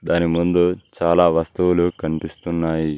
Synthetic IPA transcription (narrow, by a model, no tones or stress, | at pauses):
d̪aːnimund̪ut͡ʃaːlaːʋɐst̪uwulukɐnipist̪unːaːji